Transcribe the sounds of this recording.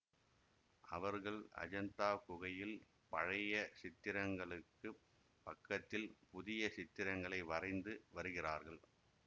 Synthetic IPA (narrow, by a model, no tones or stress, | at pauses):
ʔɐ̰ʋɐɾɣɐɭɐ̰d͡ʒɐnt̪aːkʊɣɐjɪl | pɐɻɐjɐsɪt̪ːɪɾɐŋɡɐɭɯkːɯ | pɐkːɐt̪ːɪlpʊðɪjɐsɪt̪ːɪɾɐŋɡɐɭɐɪʋɐrɐɪnd̪ɯʋɐɾɯɣɪraːɾɣɐɭ